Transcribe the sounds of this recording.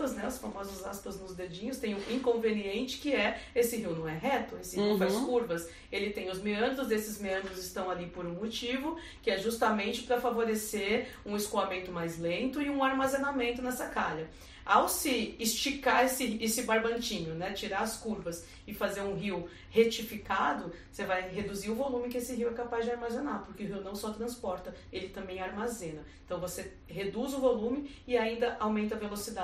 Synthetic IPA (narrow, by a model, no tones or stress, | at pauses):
pɐznɛʊsfamɔzʊzaspɐznʊzd̪ed͡ʒĩɲʊst̪ẽj̃ũĩŋkõveniẽnt͡ʃɪ̥kɪɛesɪɦiwnɐ̃w̃ɛɦɛt̪ʊesɪhiwfaskuɾvɐs | elɪt̪ẽj̃ʊzmeɐ̃ɡ̪ɾʊzd̪esɪzmeɐ̃nɡ̪ɾʊzɪst̪ɐ̃w̃alipoɾũmot͡ʃivʊ | kɪɛʒust̪ɐmẽnt͡ʃɪpɾɐfavoɾeseɾũɪskoamẽnt̪ʊmajzlẽnt̪ʊɪũaɾmazenamẽnt̪ʊnɛsɐkaʎɐ | awsɪːst͡ʃikaesɪesɪbaɾbɐ̃nt͡ʃĩɲʊnɛt͡ʃiɾaɾɐskuɾvɐs | ɪfazeɾũɦiw | het͡ʃifikad̪ʊ | sevajɦed̪uziɾʊvolũmɪkɪesɪɦiwɛkapazd͡ʒɪaɾmazenapoɾkɪʊɦiwnɐ̃w̃sɔt̪ɾɐ̃spɔɾt̪ɐ | elɪt̪ɐ̃mbẽj̃aɾmazẽnɐẽt̪ɐ̃w̃vose | hed̪uzʊvolũmɪɪaĩnd̪ɐʔawmẽnt̪ɐvelosid̪a